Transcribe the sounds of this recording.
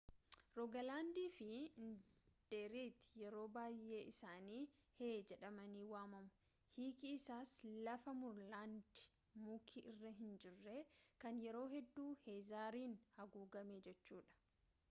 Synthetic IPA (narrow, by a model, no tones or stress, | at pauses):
ɾɔɡɐlaːnd̪iːfɪnd̪̥eːɾiːt̪ːɪjɛɾo̞ːbaːjʔe̞ːɪsaːniːheːd͡ʒɛᶑɐmɐniːwaːmɐmʊ̥ | hiːkiɪsaːslɐfɐmʊɾlaːnd̪ɪ̥ | muːkʰiʔɪrːɐɦɪnd͡ʒɪrːe̞ːkɐnjɛɾo̞ːɦɛd̪ːuːheːzaːɾiːnhɐɡuːɡɐmeːd͡ʒɛt͡ʃːuːᶑɐ̥